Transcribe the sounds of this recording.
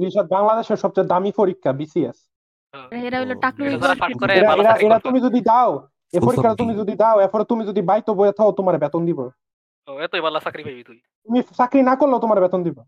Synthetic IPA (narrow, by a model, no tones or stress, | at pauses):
iʃad̪̚baŋlad̪eʃeɾʃɔb̚t͡ɕajd̪amifoɾikːabisies | ɾeɾaɦoloʈakluaeɾaeɾaeɾat̪umid͡ʑod̪ʱid̪ao | efoɾikːaɾat̪umid͡ʑod̪ʱid̪aoɛɾfɔɾet̪umid͡ʑod̪ibajt̪ːobojet̪ʰaot̪omaɾebɛt̪ond̪ibo | oɛt̪oebalːasakɾibʱajbit̪umi | t̪umisakɾinakoɾlːaot̪omaɾebɛt̪ond̪ibo